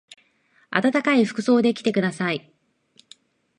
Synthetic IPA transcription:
a̰t̪at̪akaiɸɯ̟̥kɯ̟̥so̞ːd̪e̞kʲi̥t̪e̞kɯ̟d̪asai

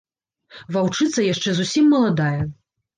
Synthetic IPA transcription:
vawt͡ʂɨt̪sɐjaʂt͡ʂɛzusʲimːɐlˠad̪ajɛ

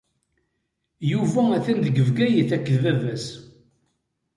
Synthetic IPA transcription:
juvææθænd̪əɡəvɡæjəθækːəðvævæs

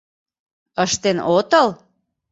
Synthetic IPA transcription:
əʃt̪enʔot̪əl

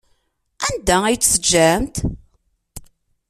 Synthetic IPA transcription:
ænd̪ææjt͡sːsəd͡ʒːæmt̪

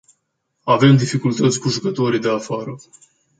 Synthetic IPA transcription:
ave̞md̪ifikult̪ət̪sʲkuʒukət̪o̞ɾid̪e̞afaɾə

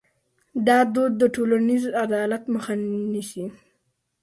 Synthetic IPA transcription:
d̪ɑd̪od̪ːəʈolanizad̪ɑlat̪məxaniʃi

